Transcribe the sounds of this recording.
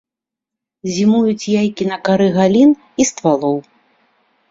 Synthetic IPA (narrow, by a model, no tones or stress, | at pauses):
zʲimujut͡sʲjajkʲinɐkaɾɨɣalʲin | ist̪valˠɔw